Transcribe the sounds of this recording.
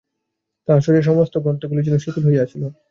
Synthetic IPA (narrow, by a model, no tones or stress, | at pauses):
t̪aʃoɾeʃ̬ɔmost̪oɡɔnt̪oɡulid͡ʑɛnoʃuk̪ulɦojeat͡ɕʰilo